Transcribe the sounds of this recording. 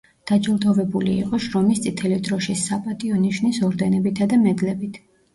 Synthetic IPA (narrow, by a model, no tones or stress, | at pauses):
d̪̥ad͡ʒlˠd̪ɔvɛbuliiqʼɔʃɾɔmist̪sʼit̪ʰɛlid̪ɾɔʃisːapʼat̪ʼiɔniʃnisɔɾd̪ɛnɛbit̪ʰad̪amɛd̪lɛbit̪ʰ